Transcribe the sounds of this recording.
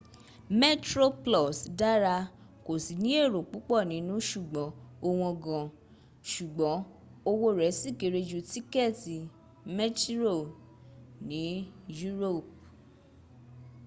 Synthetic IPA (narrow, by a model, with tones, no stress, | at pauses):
me˦tɾo˦plɔ˦˨sda˦ɾa˧ | ko˨si˨nĩ˨˦e˦˨ɾo˨k͡pu˨˦k͡pɔ˦˨nĩ˨˦nũ˦ʃu˦˨ɡ͡bɔ̃˨˦o˧w̃ɔ̃˧ɡã˨ | ʃu˨ɡ͡bɔ̃˨˦ | o˧wo˦ɾɛ˨˦si˦˨ke˨˧ɾe˧d͡ʒu˧ti˦kɛ˦˨ti˨ | mɛ˦ti˦ɾo˦˨ | nĩ˨˦ju˦ɾo˦˨p̚